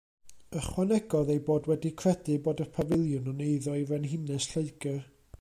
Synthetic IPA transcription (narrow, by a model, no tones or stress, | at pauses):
əχwanɛɡɔðejboːdwɛdikʰr̥ɛdɨboːdəpʰavɪlˠjʊnɔneɨðɔivɛnɦɪnɛsɬeɨɡə